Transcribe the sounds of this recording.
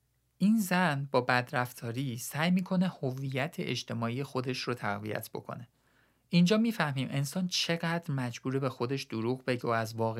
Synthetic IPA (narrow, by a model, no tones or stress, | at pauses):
ʔiːnzænbɒːbæd̪ɾæft̪ʰɒːɾiːsæjmiːkʰo̞ne̞hovijæt̪ʰḛʔed͡ʒt̪ʰe̞mɒːiːje̞xo̞d̪e̞ʃrot̪ʰæɣvḭjæ̰t̪ʰb̥o̞̰kʰo̞̰ne̞ | ʔind͡ʒɒːmiːfæhmiːmʔe̞nsɒːnt͡ʃʰe̞ɣæd̪ɾmæd͡ʒbuːɾebe̞xo̞d̪e̞ʃd̪oɾuːɣbe̞ɟeoæzvɒːɣe